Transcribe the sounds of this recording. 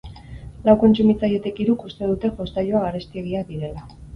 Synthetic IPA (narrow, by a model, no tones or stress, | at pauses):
lawko̞nt͡sumit͡saje̞t̪e̞kiɾukust̪e̞ðut̪e̞ʝo̞st̪aʎoaɣaɾest̪ieɣ̞iaðiɾe̞la